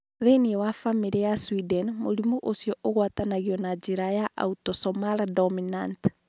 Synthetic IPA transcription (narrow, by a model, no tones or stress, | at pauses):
ðeniɛwafamiɾijaswidɛnmoɾimuʔosjɔʔoɣwatanaɣiɔnad͡ʒiɾajaʔa̰utɔsɔmaɾdɔminant